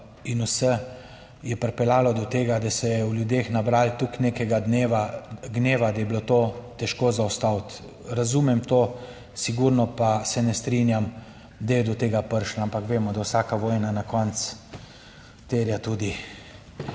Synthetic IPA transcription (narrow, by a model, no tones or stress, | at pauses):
inusɛ | jɛpəɾpɛlaːlɔd̪ɔt̪eːɡad̪asɛjɛwljud̪exnabɾaːlt̪uknekɛɡad̪neːʋaɡneːʋad̪ajɛblot̪oːt̪ɛʃkoːzawst̪awt̪ | ɾazuːmɛmt̪oː | siɡuɾnɔpasɛnɛst̪ɾinjam | d̪ajɛd̪ɔt̪eːɡapəɾʃlaampakʋeːmɔd̪awsaːkaʋɔːjnanakɔnt͡s̪ | t̪eɾjat̪uːd̪i